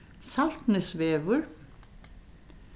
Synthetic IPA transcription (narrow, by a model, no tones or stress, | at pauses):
sal̥t̪nɪsvɛːvʏɹ